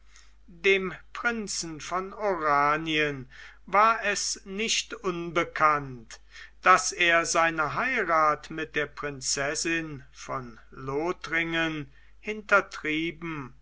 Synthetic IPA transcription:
deːmpʁ̥ɪnt͡sn̩fɔnoʁaːniən | vaːɐɛsnɪʃtʔʊnbəkʰant | d̥aseːɐzaɪnɐɦaɪʁaːtmɪt̚d̥eːɐpʁ̥ɪnt͡sɛsɪnfɔn | loːtʁɪŋən | hɪntɐtʁ̥iːbm̩

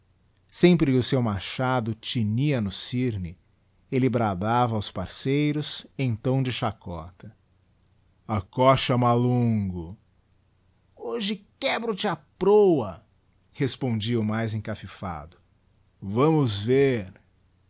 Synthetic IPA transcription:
sẽmpɾɪkʊsewmaʃad̪ʊt͡ʃiniɐnʊsiɾnɪ | elɪbɾad̪avɐːwspaɾsejɾʊsẽt̪ɐ̃w̃d͡ʒɪʃakɔ̰t̪ɐ | ɐkɔʃɐmalũɡʊ | oʒɪkɛbɾʊt͡ʃɪapɾowɐ | hespõd͡ʒiɐʊmajzẽkafifa̰d̪ʊ | vɐ̃mʊzveɾ

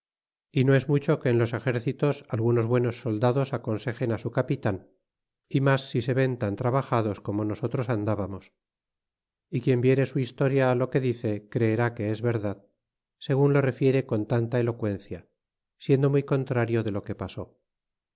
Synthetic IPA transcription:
ino̞e̞zmut͡ʃo̞ke̞ːnlo̞se̞xe̞ɾθit̪o̞salɣuno̞zβwe̞no̞sːo̞ld̪aðo̞sako̞nse̞xe̞nasukapit̪an | imasːise̞βe̞nt̪ant̪ɾaβaxaðo̞sko̞mo̞no̞so̞t̪ɾo̞sand̪aβamos | ikje̞mbje̞ɾe̞suist̪o̞ɾjalo̞ke̞ðiθe̞kɾe̞ːɾake̞ezβe̞ɾðað | se̞ɣunlo̞re̞fje̞ɾe̞ko̞nt̪ant̪aelo̞kwe̞nθja | sje̞nd̪o̞mujko̞nt̪ɾaɾjo̞ðe̞lo̞ke̞paso̞

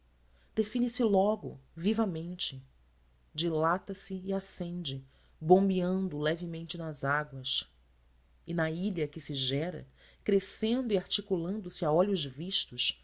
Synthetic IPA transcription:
d̪̥efinisɪlɔɡʊ̰vivɐmẽnt͡ʃɪ | d͡ʒilat̪ɐsɪːasẽnd͡ʒɪ | bõmbiɐ̃nd̪ʊlɛvɪmẽnt͡ʃɪnɐzaɡwɐʃ | ɪnɐiʎɐkɪsɪʒɛɾɐ̰kɾesẽnd̪ʊiaɾt͡ʃikulɐ̃nd̪ʊsɪaɔʎʊzviʃt̪ʊʃ

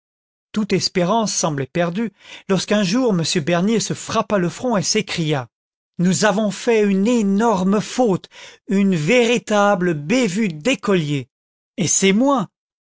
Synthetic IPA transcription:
t̪ut̪ɛspeʁɑ̃sːɑ̃blɛpɛʁd̪ylɔʁskɛ̃ʒuʁməsjøbɛʁnjesəfχapaləfχɔ̃esekχija | nuzavɔ̃fɛynenɔʁməfot̪ynveʁit̪abləbevyd̪ekɔlje | esɛmwɛ̃

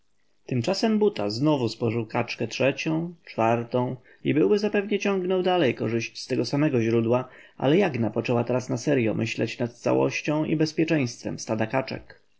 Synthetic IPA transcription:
t̪ɘmt͡ʂasɛmbut̪aznɔvuspɔʐɘwkat͡ʂkɛtʂɛt͡ɕɔ̃w̃t͡ʂfaɾt̪ɔ̃w̃ | ibɘwbɘzapɛvɲɛt͡ɕɔ̃ŋɡnɔwd̪alɛjkɔʐɘɕt͡ɕst̪ɛɡɔsamɛɡɔʑɾud̪wa | ʔa̰lɛjaɡnapɔt͡ʂɛwat̪ɛɾasnasɛɾjɔmʔɘɕlɛ̰t͡ɕnat̪̚t̪sa̰wɔ̰ɕt͡ɕɔ̃w̃ʔḭbɛspʲjɛt͡ʂɛj̃st̪fɛ̰mst̪ad̪akat͡ʂɛ̰k

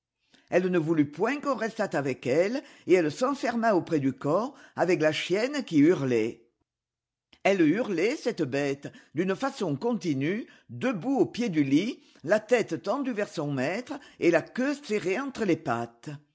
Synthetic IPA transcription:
ɛlnəvulypwɛ̃kɔ̃ʁɛst̪at̪avɛkɛl | eɛlsɑ̃fɛʁmaopχɛd̪ykɔʁavɛklaʃjɛnkʲiyʁlɛ | ɛlyʁlɛsɛt̪əbɛt̪d̪ynəfasɔ̃kɔ̃t̪iny | d̪əbuopjed̪yli | lat̪ɛt̪t̪ɑ̃d̪yvɛʁsɔ̃mɛt̪χəelakøseʁeɑ̃t̪χəlepat̪

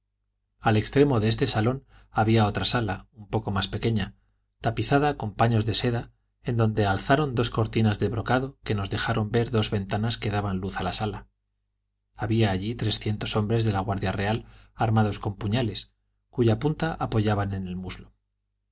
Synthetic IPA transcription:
alekst̪ɾe̞mo̞ðee̞st̪e̞salo̞n | aβiao̞t̪ɾasalaumpo̞ko̞maspe̞ke̞ɲa | t̪apiθað̞ako̞mpaɲo̞zðe̞se̞ða | e̞nd̪o̞nd̪e̞alθaɾo̞nd̪o̞sko̞ɾt̪inazðeβɾo̞kaðo̞ke̞no̞zðe̞xaɾo̞mbe̞ɾðo̞zβe̞nt̪anaske̞ðaβanluθalasala | aβiaːʎit̪ɾe̞sθje̞nt̪o̞so̞mbɾe̞zðe̞laɣwaɾðjare̞alaɾmað̞o̞sko̞mpuɲale̞s | kuʝapunt̪aʔapo̞ʝaβane̞ne̞lmuzlo

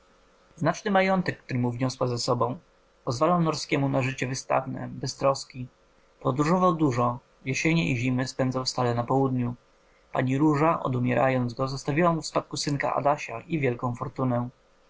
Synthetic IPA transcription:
znat͡ʂnɘmajɔnt̪ɛkːt̪uɾɘmuvɲɔswazasɔbɔ̃w̃ | pɔzvalawnɔɾskʲɛmunaʐɘt͡ɕɛvɘst̪a̰vnɛ̰bɛst̪ɾɔskʲi | pɔd̪ɾuʐɔvawd̪uʐɔ | jeɕeɲɛiʑimɘspɛnd̪zɔ̃w̃fst̪alɛnapɔwud̪ɲu | pa̰ɲiɾuʐaʔɔ̰d̪umʲjɛɾa̰jɔnd̪zɡɔzɔst̪avʲiwamufspat̪̚kusɘnka̰ʔa̰d̪aɕaʔivʲjɛlkɔ̃w̃fɔɾt̪unɛ

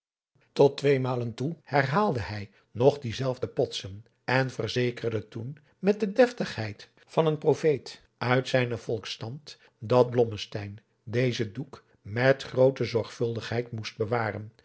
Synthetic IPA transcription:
tɔtʋejmaːləntuhɛɹrɦaːlˠdəɦɛj | nɔχdizɛlˠvdəpɔtsən | ɛnvəɹzejkərdətun | mɛt̚dədɛftəχhɛjt | fɑnənprofejt | ʔœɥtsɛjnəvɔlˠkstɑnt | dɑt̚blɔməstɛjn | dejzəduk | mɛtχrowtəzɔɹχfɵlˠdəχɦɛjtmust̚bəʋaːrən

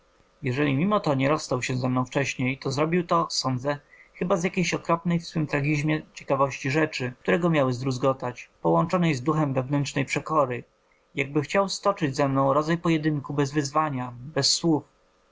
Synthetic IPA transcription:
jɛʐɛlʲimʲimɔt̪ɔɲɛɾɔsːt̪awɕɛzɛmnɔ̃w̃ft͡ʂɛɕɲejt̪ɔzɾɔbʲiwt̪ɔsɔnd̪zɛxɘbazjakʲejɕɔkɾɔpnɛjfswɘmt̪ɾaɡʲiʑmʲjɛt͡ɕɛ̥kavɔɕt͡ɕiʐɛt͡ʂɘk̚t̪uɾɛɡɔmʲjawɘzd̪ɾuzɡɔt̪at͡ɕpɔwɔnt͡ʂɔnɛjzd̪uxɛmvɛvnɛntt͡ʂnɛjpʂɛkɔɾɘ | jaɡ̚bɘxt͡ɕawst̪ɔt͡ʂɘd͡ʑzɛmnɔ̃w̃ɾɔd̪zajpɔjɛd̪ɘŋkubɛzvɘzvaɲabɛsːwuf

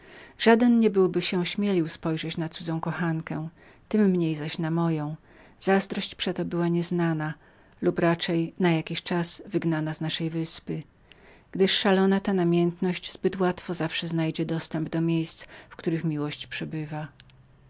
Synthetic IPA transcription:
ʐ̥ad̪ɛnɲɛbɘwbɘɕɛ̃ɕmʲjelʲiwspɔjʐɛt͡ɕnat̪sud̪zɔ̃w̃kɔxankɛ | t̪ɘmːɲejzaɕnamɔjɔ̃w̃ | z̥azd̪ɾɔɕt͡ɕpʂɛt̪ɔbɘwaɲɛznana | lupɾat͡ʂɛjnajakʲiɕt͡ʂaz̥vɘɡnanaznaʂɛjvɘspɘ | ɡ̥d̪ɘʂːalɔnat̪anamʲjɛnt̪nɔɕd͡ʑzbɘt̪wat̪fɔzafʂɛznajd͡ʑɛd̪ɔst̪ɛmbd̪ɔmʲjejst̪sfkt̪uɾɘxmʲiwɔɕt͡ɕpʂɛbɘva

